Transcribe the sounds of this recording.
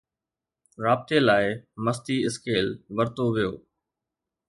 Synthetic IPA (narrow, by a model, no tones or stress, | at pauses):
ɾaːb̚t̪elaːɪməst̪iɪskeːlʋɐɾt̪oʋijo̰ː